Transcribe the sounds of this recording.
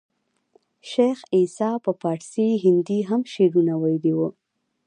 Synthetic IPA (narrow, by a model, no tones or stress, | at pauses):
ʃexisɑpəpɑʈsiɦɪnd̪iɦamʃeɾunawajd̪iwu